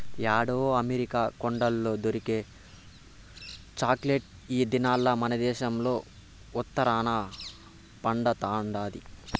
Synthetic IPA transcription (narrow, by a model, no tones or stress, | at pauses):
jaːɽoːɐmeɾikaːkoɳɖɐlːo̞ːd̪oɾikeː | t͡ʃaːkleʈ̚ | iːd̪inaːlːɐmɐnɐd̪ɛːʃɐmlo̞ː | ut̪ːɐɾaːna | pɐɳɖɐt̪aːɳɖaːd̪i